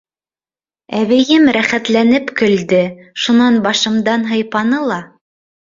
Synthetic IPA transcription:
æβɘ̆jɘmɾæχæt̪lænɘpkɵ̆ld̪ɘʃunɑnbɑʃɤ̆md̪ɑnɦɤ̆jpɑnɤlˠɑ

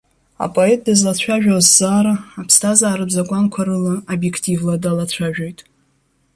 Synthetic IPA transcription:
a̰pʼoet̚ʼdazlat͡ɕʷʰaʒᶣawzz̥aːɾaːpʰstʰazaːɾɨbzakʷʼankʷʰaɾɨlaobje̞kʰtʰʼivladalat͡ɕʷʰaʒᶣojtʼ

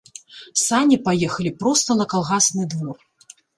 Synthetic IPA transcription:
samʲipajɛxɐlʲipɾɔst̪ɐlˠɐkalˠɣasnɨd̪vɔr

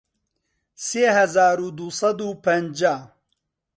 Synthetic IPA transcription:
seːhɐzaːɾud̪usɐd̪uːpɐnd͡ʒaː

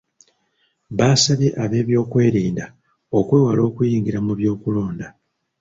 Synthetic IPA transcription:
βaːsaβeʔaβe̞ːβjo̞ːkwe̞ːɾiːnda | o̞kweːwalo̞ːkujiːŋɡiɾamuβjo̞ːkulo̞ːnda

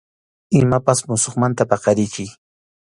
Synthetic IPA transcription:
ɪmapasmʊsoχmant̪apɑqɑɾɪjkɪj

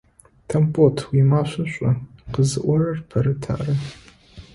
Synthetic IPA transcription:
tʰɐmpʰʼotʰwimaːɕʷɐɕʷʼɔqəzɨʔʷɔɾɐrpʰɐɾɨtʰa̰ːrɐ

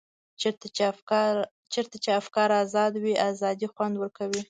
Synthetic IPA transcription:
t͡ʃeɾt̪a | t͡ʃeɾt̪at͡ʃeafkɑɾazɑd̪wiʔazɑd̪ixwand̪wəɾkawi

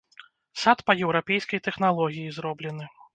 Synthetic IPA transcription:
sat̪pɐjɛwɾapʲɛjskɐjt̪ɛxnalˠɔɣʲijizɾɔblʲɛnɨ

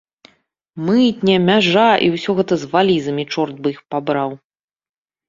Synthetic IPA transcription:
mɨt̪̚ʲnʲɛmʲaʐaʔḭwsʲɔɣɛt̪ɐzvalʲizɐmʲit͡ʂɔrt̪̚bɨixpabɾaw

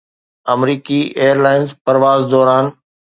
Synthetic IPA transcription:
ɐmɾiːkiʔeːəɾlaːɪnzpɐɾʋaːzd̪ɔːɾaːn

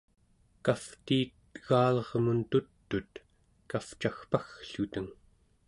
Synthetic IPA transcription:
kaft̪iːt̪ː | ɣaːlʌʁmunt̪ut̪ːut̪ | kaft͡ʃaxpaxɬut̪əŋ

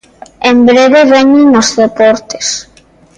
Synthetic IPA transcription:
embɾeβeβeɲenozðepɔɾt̪e̥s

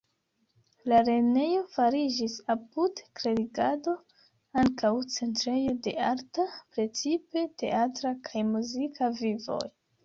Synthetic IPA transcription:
laɾe̞ne̞jo̞faɾid͡ʒisapudkɾe̞ɾiɡado̞ | aŋkawt͡se̞ntɾe̞jo̞de̞̰aɾtapɾe̞t͡sipe̞te̞̰ʔatɾakʰajmuzikʰavivo̞̰j

